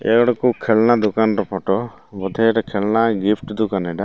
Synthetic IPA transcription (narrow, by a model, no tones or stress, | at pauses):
ɛ̰ɡɔɽɔkukʰɛɭnad̪ukanɾɔpʰɔʈɔ | bɔd̪ʱɛʈakʰɛɭnaɡipʰʈd̪ukanɛɖa